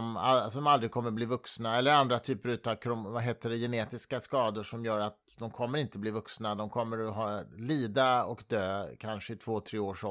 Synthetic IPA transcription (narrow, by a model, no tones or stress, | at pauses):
masd̪ɔmald̪ɾɪɡ̚kʰɔmːəbliːvɵksnaɛlːəɾand̪ɾat̪ʰyːpəɾʉ̟ːt̪ɑkʰɾʊmvaɦeːt̪ədɛjɛneːt̪ɪskaskɑːd̪ʊʂɔmjœːɾat̪̚d̪ɔmkʰɔmːəɾɪnt̪əbliːvɵksnad̪ɔmkʰɔmːəɾɔɦɑːliːd̪aɔkd̪øːkʰanʂəɪt̪ʰvoːt̪ʰɾeːoːʂɔ